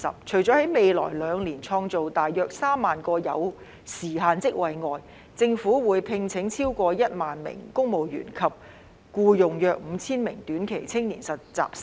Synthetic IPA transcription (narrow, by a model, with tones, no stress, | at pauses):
ɐ̰˨˩p̚t͡ʃʰɵ˨˩ɥt͡sɔː˨˥hɐ˨˥jme˨˧jlɔ̰ː˨˩jlœː˨˧ŋliː˨˩nt͡sʰɔː˧ŋt͡so˨wt̪aː˨jːœː˨˧k̚saː˥mːaː˨nkɔː˧jɐ̰˨˧w | siː˨˩ɦaː˨˧nt͡sɪ˥k̚wɐ˨jŋɔː˨j | t͡sɪ˧ŋfuː˨˥wuː˨˧˥jpʰɪ˧ŋt͡sʰɪ˨˥ŋt͡sʰiː˥wkʷɔː˧jɐ˥t̚maː˨nmɪ̰˨˩ŋkʊ˥ŋmo˨wjy̰ː˨˩nkʰɐ˨p̚ | kuː˧jʊ˨ŋjœː˨˧k̚m̩˨˧t͡sʰiː˥nmɪ̰˨˩ŋt̪yː˨˥nkʰe˨˩jt͡sʰɪ˥ŋniː˨˩nsɐ˨tt͡sa̰ː˨p̚s